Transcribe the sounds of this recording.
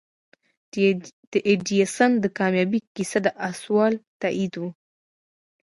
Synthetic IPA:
d̪̥əʔeɖiasand̪əkɑmjɑbikisad̪əʔaswɑlt̪aʔid̪wu

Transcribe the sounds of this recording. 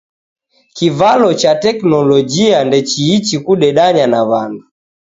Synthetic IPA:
kivalɔt͡ʃatɛknɔlɔd͡ʒiandɛt͡ʃiːt͡ʃikuɗɛɗaɲanaβandu

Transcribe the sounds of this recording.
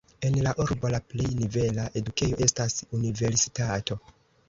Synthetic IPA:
e̞nlaʔuɾbo̞laple̞jnive̞laʔe̞dukejo̞ʔe̞stasunive̞ɾsi̥tato̞

